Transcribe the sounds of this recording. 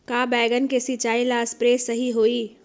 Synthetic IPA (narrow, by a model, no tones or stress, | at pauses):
kaːbɛːɡənkesit͡ʃaːilaːspɾeːsɐɦiɦoːiː